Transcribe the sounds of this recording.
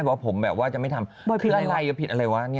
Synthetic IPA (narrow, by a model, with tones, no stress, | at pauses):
bɛ˨˩wa˥pʰo˩˦mbɛː˨˩p̚waː˥˩t͡ɕa˨˩ʔma˥˩jt̪ʰa˧m | bɔ˧kʰːʔa˧˨˧la˧jːɤ˦˥pʰi˨˩t̪ʔa˧ɾa˧jwa˦˥˧ni˥˩